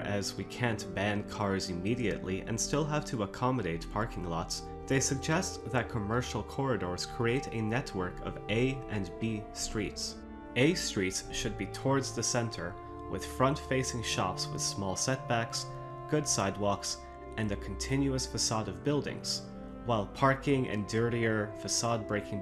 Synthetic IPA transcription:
ʔɨzwikʰæ̃nb̥æ̃nkʰɑɹzɨmiɾiɨ̰ʔˡliʔɨ̰̃nstɪlˠɦæv̥tʰɨəkʰɑməɾeɪt̚pʰɑɹkɪ̃ŋlɑts | ðeɪsɨɡ̚d͡ʒɛst̪ðɨt̚kʰəmɜ˞ʃl̩ˠkʰɔɹɨɾɔɹz̥kʰɹ̥ieɪɾɨnɛt̚wə˞kʰʌ̰veɪɨ̃nbistɹ̥its | eɪstɹ̥itsʃɨd̚bitʰɔɹdzðɨsɛ̃ntʰə˞ | wɨ̰ð̥fɹʌ̃ntfeɪsɪ̃ŋʃɑ̰pswɨ̰ð̥smɔlˠsɛt̚b̥æks | ɡ̥ʊdsaɪd̚wɔks | ʔɨ̃nɨkʰn̩tʰɪ̃njʉɨsfɨsɑɾʌvbɪlˠdɪ̰̃ŋz̥ | waɪlˠpʰɑɹkɪ̃ŋʔɨ̰̃ndɜ˞ɾiə˞fɨsɑd̚bɹeɪkɪ̃ŋ

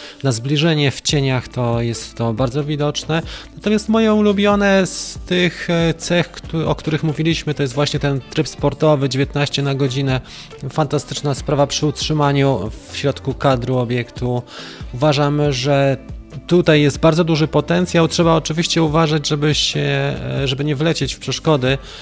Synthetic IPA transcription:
nazblʲiʐɛɲɛft͡ɕeɲaxt̪ɔjɛst̪ːɔbaɾd̪zɔvʲid̪ɔt͡ʂnɛnat̪ɔmʲjast̪mɔjɛulubʲjɔnɛst̪ɘxt̪sɛxkɔkt̪uɾɘxmuvʲilʲiɕmɘt̪ɔjɛs̬t̪vwaɕɲɛt̪ɛnt̪ɾɘpspɔɾt̪ɔvɘd͡ʑevʲjet̪̚naɕt͡ɕɛnaɡɔd͡ʑinɛ | fant̪ast̪ɘ̥t͡ʂnaspɾavapʂɘutʂɘmaɲufɕɾɔt̪kukad̪ɾuɔbʲjɛkt̪uuvaʐamʐɛt̪ut̪ajːɛst̪̚baɾdzɔd̪uʐɘpɔt̪ɛnt̪sʲjawtʂɛbaɔt͡ʂɘvʲiɕt͡ɕɛuvaʐad͡ʑʐɛbɘɕɛʐɛbɘɲɛvlɛt͡ɕet͡ɕfpʂɛʂkɔd̪ɘ

